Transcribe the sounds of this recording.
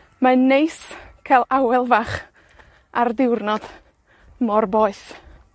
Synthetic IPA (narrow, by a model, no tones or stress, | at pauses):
manːejskʰalˠawɛlˠvaχ | ardɪwrnɔd̥ | mɔrbɔːɨθ